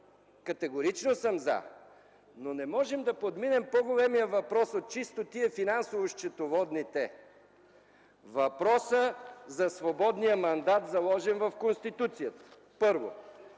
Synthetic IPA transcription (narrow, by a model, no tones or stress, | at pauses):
kɐt̪ɛɡoɾit͡ʃnosəmza̰ | nonɛmɔʒɛmd̪ɐpod̪minɛmpoɡolɛmijəvɐpɾɔsot̪̚t͡ʃist̪ot̪iɛfinansovoʃt͡ʃɛt̪ovɔd̪nit̪ɛ | vɐpɾɔsəzɐsvobɔd̪nijəmɐnd̪at̪zɐlˠɔʒɛnvɐfkonst̪it̪ut̪sijət̪ə̥ | pɤɾvo̰